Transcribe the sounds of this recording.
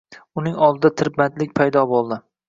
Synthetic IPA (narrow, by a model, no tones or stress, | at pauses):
ʊnɪŋɒlˠd̪ɪd̪at̪ʰɪɾbat̪lɪk̚ʲpʰajd̪ɒbolˠd̪ɪ